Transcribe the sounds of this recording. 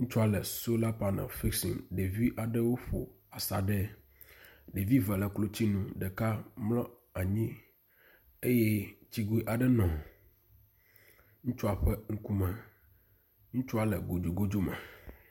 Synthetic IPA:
ŋũ˦t͡ʃu˦a˨lɛ˨so˦la˦pa˨nɛ̰˨lfi˦ksḭ˨ŋɖe˨vi˦ʔa˨ɖɛ˦wo˦ɸo̰˨ | a˨sa̰˨ɖɛ˦ | ɖe˨vi˦vɛ˨lɛ˨klo˦t͡ɕi˦nũ˦ɖɛ˨ka˦mlɔ̃˦ | a˨ɲĩ˦ | e˦jɛ˦t͡ɕi˦ɡu˦i˦ʔa˨ɖɛ˦nɔ̃˨ | ŋũ˦t͡ʃu˦a˨ɸɛ˦ŋ̩˦ku˦mɛ˨ | ŋũ˦t͡ʃu˦a˨lɛ˨ɡo˨d͡ʒu˨ɡo˦d͡ʒo˦mɛ̰̃˨

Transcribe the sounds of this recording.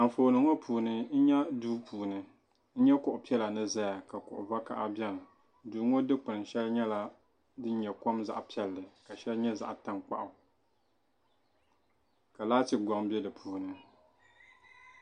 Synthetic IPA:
a˨ɱ˨foː˨nɨ˨ŋɔ˦pʰuː˨nɨ˦n̩˦ɲɛ˦duː˦puː˨nɨ˨ | n̩˦ɲɛ˦kʊ˨ʔʊ˨pi˦ɛ˦la˨nɨ˦za˦ja˨ka˨kʊ̰˨ʔʊ̰˨va˦ka̰˨ʔa˦bɛ˦n˨ | duː˨˦ŋo˦dɨ˦k͡pɨ˨n˨ʃɛ˦lɲɛ˦la˦ | dɨ˦n˦ɲɛ˨ko˦mza̰˦ʔpi˦ɛ˦lːɨ˨ka˨ʃɛ˦lɲɛ˦za̰˦˨ʔta˦ŋk͡pa̰˦ʔʊ˨ | ka˨laː˦tɨ˨ɡɔ˨ŋbɛ˦dɨ˨pʰuː˨nɨ˨

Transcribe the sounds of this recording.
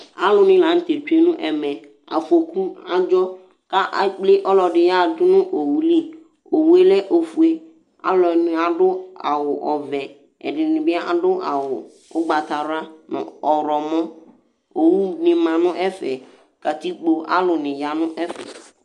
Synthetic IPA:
a˦lʊ˨nɪ̃˨la˨˦n̩˦t̪e˨tᶣe˦nʊ̃˦ʔɛ˨mɛ̃˨ | a̰˨fo˨ku˦a˦d͡ʒɔ˦ | ka˦ʔa˨k͡plɪ˦ʔɔ˦lɔ˨dɪ˨ja˦˨dʊ˦nʊ̃˦ʔo˨wu˦li˦ | o˨wu˦e˦lɛ˦ʔo˨fu˨e˦ | a̰˨˦lɔ˨n˨˦a˨dʊ˦a̰˨wʊ˨ʔɔ˨vɛ˨ | ɛ̰˨dɪ˨nɪ̃˨bɪ˦a˦ʔa˨dʊ˦ʔa˨wʊ˨ | ʊ˦ɡ͡ba˨t̪a˨ɾʊ˦a˦nʊ̰̃˨ɔ˨ɾɔ˨mɔ̃˦ | o˨wu˦nɪ̃˨mã˨nʊ̃˦ʔɛ˦fɛ˨ | ka˨t̪i˦k͡po˨ʔa̰˦lʊ˨nɪ̃˨ja˨nʊ̃˦ʔɛ˦fɛ̰˨

